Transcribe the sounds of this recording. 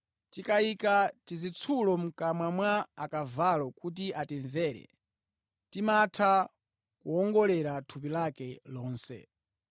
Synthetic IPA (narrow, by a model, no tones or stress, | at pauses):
tikaikatizit͡sʰulɔm̩kamwamwaakavalɔkut̬iatiɱvɛːɾɛ̰ | timatʰa | kuɔŋɡɔlɛɾatʰup̬ilakɛlɔːnsɛ̰